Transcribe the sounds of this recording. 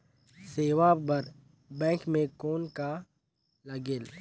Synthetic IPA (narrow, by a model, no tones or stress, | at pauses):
seːʋabəɾ | bɛ̃ːkmẽkoːnka | lɐɡeːl